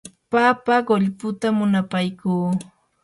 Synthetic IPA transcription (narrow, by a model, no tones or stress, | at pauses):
papaɢoʎpʊt̪amʊnapajkuː